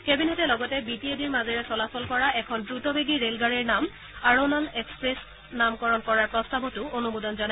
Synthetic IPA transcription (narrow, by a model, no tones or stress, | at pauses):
kebinetɛlɔɡɔtɛbitiediɹmazɛɹɛsɔlafɔlkɔɹaʔɛkʰɔndɹutɔbeɡiɹelɡaɹiɹnam | aɹonalɛkspɹes | namkɔɹɔnkɔɹaɹpɹɔstabɔtʊonubudɔnzɔna